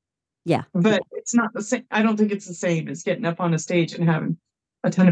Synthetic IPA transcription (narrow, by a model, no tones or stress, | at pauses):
jæ̰b̥ʌɾ̚ɪtsnət̪̚ðəsẽɪ̃maɪɾõʊ̃nθɪ̃ŋkɨtsðəsẽɪ̃mɨtsɡ̥ɛɾɪ̃ŋʌpn̩ɨsteɪd͡ʒɨ̃nɦævɪ̰̃ŋ | ɨtʰʌ̃n